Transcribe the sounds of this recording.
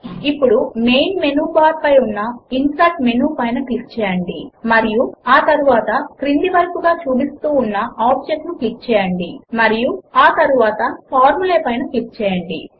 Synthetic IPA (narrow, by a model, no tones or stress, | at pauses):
ipːuɽume̞jnme̞nuːbaːɾpɐjunːɐinsaːʈme̞nuːpɐjnɐklik̚t͡ʃɛːjɐɳɖḭmɐɾijuaːt̪ɐɾuʋaːt̪ɐkɾind̪iʋɐɾkuɡaːt͡ʃuːbist̪uːnːɐaːb̚d͡ʒek̚ʈnuklik̚t͡ʃɛːjɐɳɖimɐɾijuaːt̪ɐɾuʋaːt̪ɐpʰaːɾmuleːpɐjnɐklik̚t͡ʃɛːjɐɳɖḭ